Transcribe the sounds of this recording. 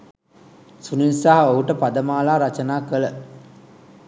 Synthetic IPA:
suninsaɦɐoɦuʈəpad̪əmaːlaːɾat͡ʃənaːkələ

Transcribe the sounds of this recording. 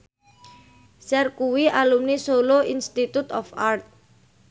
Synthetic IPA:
sɛrkuwiʔalumnisoloinst̪it̪ut̪ɔfart̪̚

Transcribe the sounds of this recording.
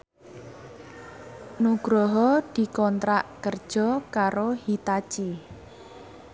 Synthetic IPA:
nuɡ̥ɾɔɦɔd̪̥i̤kɔnt̪ɾaʔkərd̥ʒ̥ɔ̤kaɾohit̪at͡ʃi

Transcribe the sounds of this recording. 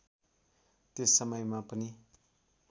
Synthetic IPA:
t̪esːʌmʌjmapʌni

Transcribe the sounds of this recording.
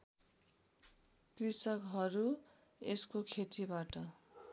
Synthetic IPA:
t̪risʌkɦʌɾu | eskokʰet̪ibaʈʌ

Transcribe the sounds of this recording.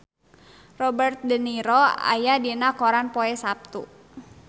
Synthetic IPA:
rɔbərt̪̚dəniɾɔa̰jadinakɔɾanpɔɛsap̚t̪ṵ

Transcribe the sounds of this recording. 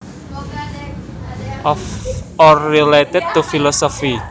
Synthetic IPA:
ɔrilet̪ɪd̪̚t̪ufilɔsɔfi

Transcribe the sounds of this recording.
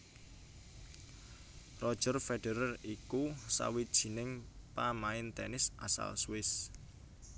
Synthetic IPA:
rɔd̥ʒ̥ə̤rfeɖ̥eɾərikusa̰wid̥ʒ̥i̤nɪŋpamaɪnt̪ɛnɪsʔasa̰lswɪs

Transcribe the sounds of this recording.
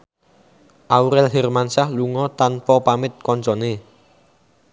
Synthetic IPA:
ʔauɾɛlɦɛrmansahluŋɔt̪anpɔpamɪt̪̚kɔnt͡ʃɔne

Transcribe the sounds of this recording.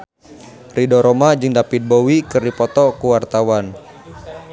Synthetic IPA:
ridɔɾɔmad͡ʒɨŋdapit̪̚bowikɨrdipɔt̪ɔkuwart̪awan

